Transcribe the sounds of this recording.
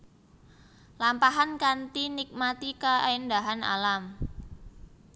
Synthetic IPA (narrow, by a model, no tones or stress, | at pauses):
lampaɦankant̪inik̚mat̪ikaajnd̪aɦana̰lam